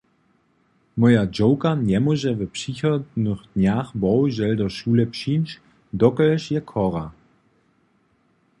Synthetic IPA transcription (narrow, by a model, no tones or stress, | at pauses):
mɔjad͡ʒowkanjɛmɔʒɛvɛpʃiçɔdnəxd̥njaːxbɔwʒɛldɔʃulɛpʃinʃ | d̪ɔkːʃjɛkʰɔʁa